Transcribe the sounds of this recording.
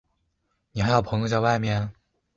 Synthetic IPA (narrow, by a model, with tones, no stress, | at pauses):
ni˨˩xa˧˥jʊpʰɤ˧˥ŋjo˧t͡ɕa˥˧ɪwa˥˧ɪmjɛ˥˩n